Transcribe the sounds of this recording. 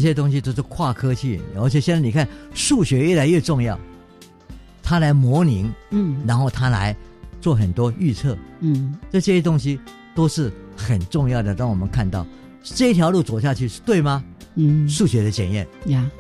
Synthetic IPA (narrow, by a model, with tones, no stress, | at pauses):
ɕ̬jɛ˥t̪̬ʊ˥ŋɕ̬i˥t̪o˥ʊʂ̬ɻ̩˥˩kʰwa˥˩kʰɤ˥t͡ɕʰy˥˩ə˞˧˥t͡ɕʰjɛ˨˩ɕjɛ˥˧t͡sa˥˩ni˨˩kʰa˥˩nʂu˥˩ɕɥɛ˧˥jɛ˥˩la˧˥ɪɥɛ˥˧ʈ͡ʂʊ˥˧ŋjɑ˥˩ʊ | t̪ʰa˥la˧˥ɪmwɔ˧˥ni˧˥ŋ˥ɻa˧˥nxo˥˩ʊt̪ʰa˥la̰˧˥ɪt͡swɔ˥˩xə˨˩nt̪wɔ˥y˥˧t͡sʰɤ˥˩˥t͡ɕʈ͡ʂɤ˥˧˩ɕɛ˥t̪ʊ˥ŋɕ̬i˥ | t̪o˥ʊʂɻ̩˥˩xə˨˩nʈ͡ʂʊ˥˧ŋjɑ˥˩ʊd̪ə˩t̪a˥ŋwɔ˨˩mə˦nkʰa˥˧nt̪ɑ˥˩ʊ | ʈ͡ʂɤ˥˩˧i˥t̪ʰjɑ˧˥ʊlu˥˩t͡swɔ˨˩ʊɕja˥˧t͡ɕʰy˥˧ʂɻ̩˥˧t̪we˥˩ɪmɐ˧˥ | ʂu˥˩ɕɥɛ˧˥d̪ə˧t͡ɕjɛ̰˨˩njɛ̰˥˩n˧